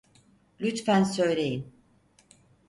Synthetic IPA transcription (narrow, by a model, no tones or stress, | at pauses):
lʲyt̪fænsø̞jlʲe̞jin